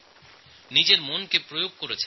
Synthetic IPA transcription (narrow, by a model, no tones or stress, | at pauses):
nid͡ʑeɾmonkepɾojoɡ̚koɾet͡ɕʰe